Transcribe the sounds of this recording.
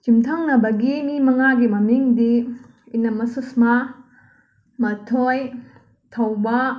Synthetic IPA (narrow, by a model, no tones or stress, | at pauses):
t͡ʃimtʰaŋnɐbɐɡinimɐŋaɡimɐmiŋdi | inɐmɐsusma | mɐtʰoj | tʰɐwbɐ